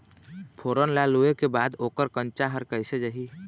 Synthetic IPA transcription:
pʰoɾənlaluekebad̪okəɾkənt͡ʃaɦəɾkəɪsed͡ʒəɦi

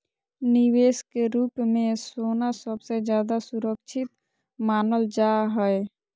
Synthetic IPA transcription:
nɪweːskeɾuːpmẽsoːnasəbsed͡ʒjaːd̪asuɾəkt͡ʃʰɪt̪ | maːnəld͡ʒaɦɛe

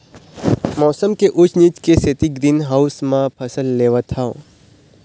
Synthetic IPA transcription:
mɔːsəmkeʔʊt͡ʃʰnit͡ʃkeset̪iɡɾinɦausmãpʰəsəlːeʋat̪ʰao̰

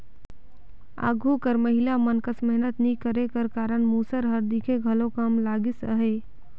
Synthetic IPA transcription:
a̰ːɡʱukəɾməɦɪlamənkəsmɛɦnət̪nĩkəɾekəɾkaːɾəɳmusəɾɦəɾd̪ikʰeɡʱəlokamlaːɡɪsə̰ɦe

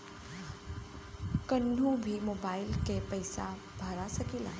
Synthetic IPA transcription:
kənɖʱũbʱimobailkepəjsa̰ | bʱəɾasəkila

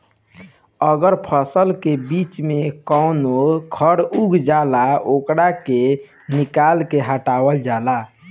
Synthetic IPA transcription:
əɡəɾpʰəsəlkebit͡ʃmekəʊnokʰəɾuɡd͡ʒalaokɽake | nikalkeɦaʈawəld͡ʒala

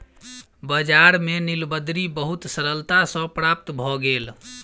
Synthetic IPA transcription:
bəd͡ʒaɾmenilbəd̪ɾibəɦut̪səɾəlt̪asə̃pɾap̚t̪bʱɔɡel

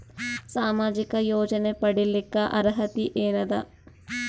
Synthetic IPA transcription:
saːmaːd͡ʒikɐjoːd͡ʒɐnepɐɽilikːɐʔɐɾɦɐt̪iʔeːnɐd̪ɐ

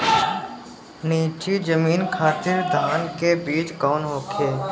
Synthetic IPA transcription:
niːt͡ʃid͡ʒəmiːnkʰaːt̪ɪɾd̪ʱaːnkebiːt͡ʃkɔːnɦoːkʰeː

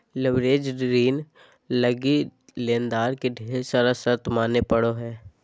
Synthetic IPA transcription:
lɪʋɾeːd͡ʒɾiːn | ləɡi | lẽːnd̪aːɾkeɖʱeːɾsəɾəsəɾt̪maːnepəɽoɦɛː

